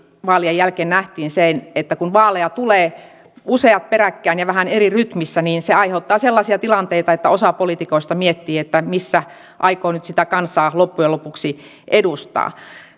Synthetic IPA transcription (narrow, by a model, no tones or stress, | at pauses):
ʋɑːliejjælkeːnnæht̪iːnsenet̪ːækunʋɑːlejɑt̪uleː | useɑt̪̚peɾækːæːnjɑʋæhæneriryt̪misːæniːnseɑiheut̪ːɑːselːɑsiɑt̪ilɑnt̪eit̪ɑet̪ːæosɑpolit̪ikoist̪ɑmiet̪ːiːet̪ːæmisːæ | ʔɑikoːnyt̪sit̪ækɑnsˑɑːlopːujelopuksi | ʔedust̪ɑ̰ː